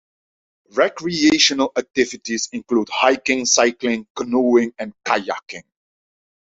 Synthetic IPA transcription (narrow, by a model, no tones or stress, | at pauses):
ɹɛkɹieɪʃənəlak̚tɪvɪtizɪ̃nkluːdhaɪkɪ̃ŋsaɪklɪ̃ŋknuɪ̃ŋɛ̃nkaja̰kɪ̃ŋ